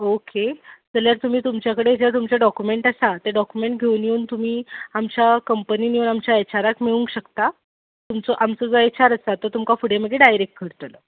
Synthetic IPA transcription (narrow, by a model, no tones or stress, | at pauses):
oked͡zəljaɾt̪um̤iːt̪umt͡ɕjakəɽed͡ʑat̪umt͡ɕaɖɔkumeɳʈəsat̪eɖɔkumeɳʈɡʱeunjeuːnt̪um̤iːamt͡ɕjakəmpəniːnjeunamt͡ɕjaet͡ɕaɾakmeɭuŋkɕəkt̪a | t̪umt͡sɔʔamt͡sɔd͡zoet͡ɕaɾəsat̪əɾt̪umkafuɽ̤eməd̪ʱeɖajɾek̚ʈ̚kʰəɾt̪ələ